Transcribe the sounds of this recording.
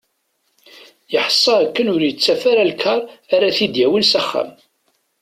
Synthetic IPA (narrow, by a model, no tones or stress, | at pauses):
jəħə̥sˤːɑækːənʊɾjət͡sːæfaɾalkʰːɑɾˤaɾaθid̪jæwinsæχːæ̰m